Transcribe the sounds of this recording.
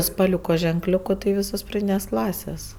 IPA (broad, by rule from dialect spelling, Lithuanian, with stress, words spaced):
spɐˈlʲʊkoː ʒʲɛŋˈklʲʊkʊ tɐɪ ˈʋʲiːsoːs prɐˈdʲiːnʲeːs ˈklˠɑːsʲeːs